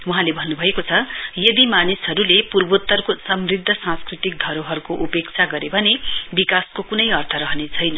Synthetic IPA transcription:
wuɦãlebʱʌnːubʱʌekot͡sʰʌjʌd̪imanisɦʌɾulepurbut̪ːʌrkosʌmrid̪ʱːʌsãskrit̪ik̚ɡʱʌɾoɦʌɾukoʔupekt͡sʰaɡʌɾebʱʌnebikaskokunʌjʌrt̪ʰʌɾʌɦnet͡sʰʌjnʌ

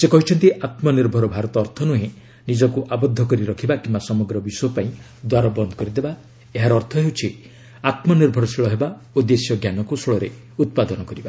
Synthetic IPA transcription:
sekɔɦit͡ʃʰɔnt̪iʔat̪mɔniɾbʱɔɾɔbʱaɾɔt̪ɔːɾt̪ʰɔnuɦẽ | nid͡ʒɔkuʔabɔd̪ʱːɔkɔɾiɾɔkʰibakimbasɔmɔɡɾɔbisɔjɔpaĩ | d̪waɾɔbɔnd̪ʱɔ̥kɔɾid̪eba | eɦaɾːɾt̪ʰɔɦewt͡ʃʰi | at̪mɔniɾbʱɔɾɔsiɭɔɦeba | ud̪esjɔɡjanɔkusɔɭɔɾe | ut̪̚pad̪ɔnɔkɔɾiba

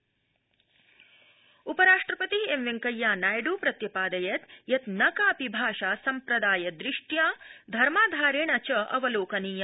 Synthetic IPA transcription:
upɐɾaːʂʈɾɐpɐt̪iemʋeŋkɐjːaːnaːjɖuːpɾɐt̪jɐpaːd̪ɐjɐt̪jɐt̪nɐkaːɐpibʱaːʃaːsɐmpɾɐd̪aːjɐd̪ɾɪʂʈjaːd̪ʱɐɾmaːd̪ʱaːɾeːɳɐt͡ʃɐɐ̰ʋɐloːkɐniːjɐ

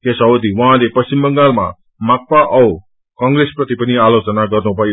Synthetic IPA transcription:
kesʌod̪iwʌɦãlepʌst͡ɕimbʌŋɡalma̰ | mak̚paʔʌw | kʌŋɡresprʌt̪ipʌnialot͡sʌnaɡʌrnubʱʌjo

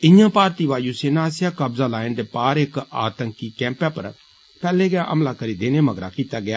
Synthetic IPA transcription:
ɪ̃jãpaːɾt̪iʋaːjuseːnaːsɪjakɐbzalaːɪ̃nd̪epaːɾeːka̰ːt̪ə̃ŋkːikɛ̃ːmpjãpɐ̰ɾ | pɛːleɡɪjaʔɐ̰mlakɐɾid̪eːnemɐɡɾa̰kʰit̪aɡɪjaː

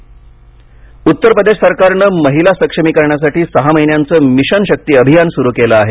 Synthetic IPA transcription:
ut̪ːəɾpɾəd̪eʂsəɾkaɾɳəməɦilasəkʂəmiːkəɾɳjas̬aʈiːsəɦaməɦinjant͡səːmiɕənɕək̚t̪iːəbʱijansuɾuːkeləːɦe

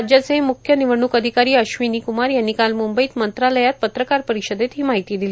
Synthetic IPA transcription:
d͡ʑjat͡semukʰjəniʋəɳukəd̪ʱikaɾiːəɕʋiniːkumaɾjanːikalmumbəiːt̪mənt̪ɾaləjat̪̚pət̪ɾəkaɾpəɾiɕəd̪et̪ɦiːmaɦit̪iːd̪ili

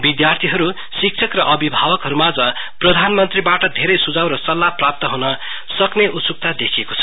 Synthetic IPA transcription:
bid̪jart̪ʰiɦʌɾu | sik̚t͡sʰʌkrʌʔʌbibʱabʌkɦʌɾumad͡zʌ | prʌd̪ʱanmʌnt̪ribaʈʌd̪ʱeɾʌjsud͡zawrʌsʌlːaprap̚t̪ʌɦunʌ | sʌkneʔut̪suk̚t̪ad̪ekʰiekot͡sʰʌ̥

